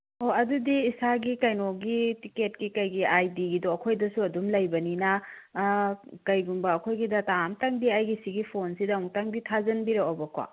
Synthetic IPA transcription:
oɐdudiːsaɡikɐjnoɡitiket̚kikɐjɡiajdiɡidoɐkʰojdɐsuɐdumlɐjbɐninɐ | kɐjɡumbɐːkʰojɡidɐtamtaŋbiajɡisiɡipʰonsidɐuŋtaŋbitʰazɐnbiɾaobɐkʰwa̰

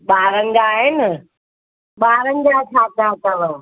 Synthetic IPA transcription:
ɓaːɾə̃ŋɡaːɦɪnɪ̆ | ɓaːɾə̃ŋɡat͡ʃʰaːt̪aːt̪əʋə̃

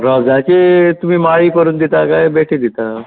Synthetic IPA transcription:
ɾɔd͡zjãt͡ɕet̪um̤iːmaɭiːpəɾuːnd̪it̪akajbeʈʰid̪it̪a

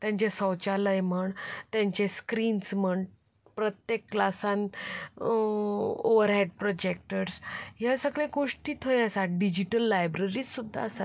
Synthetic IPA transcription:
t̪jãɲt͡ɕesəwt͡ɕaləjm̤əɳt̪jãɲt͡ɕeskɾiːnsməɳ | pɾət̪jekːlasan | oʋəɾɦeɖ̚pɾɔd͡ʑek̚ʈəɾsjasəɡɭeɡoʂʈiːt̪ʰəjəsaɖid͡ʑiʈəlːajbɾəɾiːd͡zsud̪ʱːa̰əsat̪

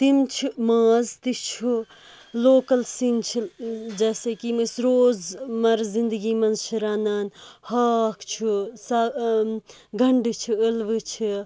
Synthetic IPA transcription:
t̪imt͡ʃʰimãːzt̪it͡ʃʰu | loːkɐlsint͡ʃʰid͡ʒɛːseːkimisɾoːzmɐɾzĩnd̪əɡiːmɐnzt͡ʃʰiɾaːnaːnhɐːkʰt͡ʃʰusa | ɡʱɐɳɖt͡ʃʰuəlʋɨt͡ʃʰi

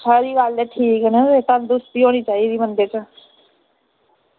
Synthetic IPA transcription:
sʰaːɾiːʋaːlleʈʰiːknəet̪ãnd̪ʊst̪iɦoːnit͡ʃaːiɾiːmənd̪et͡ʃə

